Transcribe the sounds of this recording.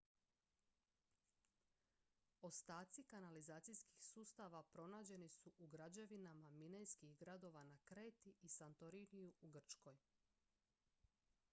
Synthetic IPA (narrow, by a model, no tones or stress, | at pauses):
o̞st̪aːt̪sikanalizaːt̪sijski̥xsuːst̪aʋapɾo̞naːd͡ʑe̞nisuʔuɡɾad͡ʑe̞ʋinamaminejskiɣɡɾad̪o̞ʋanakɾeːt̪iʔisant̪o̞ɾinijuuɡr̩t͡ʃko̞j